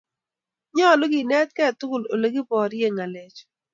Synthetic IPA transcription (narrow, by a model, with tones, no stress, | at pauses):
ɲɔ˦˨lʊ˦ɡi˨nɛ˦t̪̚kɛ˦˨tʊ˦ɡʊ˨lo˨le˦ɡi˦pɔ˨ɾje˦˨ŋa˨le˨˦t͡ʃ